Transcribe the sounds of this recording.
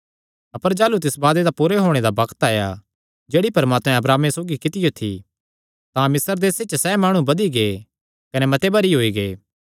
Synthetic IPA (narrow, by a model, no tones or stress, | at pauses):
ɐpəɾd͡ʒaːlut̪ɪsbaːd̪ed̪apuɾeɦoːɽ̃ed̪abɐkt̪aːja̰ | d͡ʒeːɽipɐɾmaːt̪mɛ̃ɐbɾaːmesoːɡikɪt̪ɪjot̪ʰḭ | t̪ãmɪsəɾd̪eːset͡ʃsɛmaːɽ̃ũbɐd̪iɡeː | kɐnemɐt̪ebɐɾiɦoːiɡeː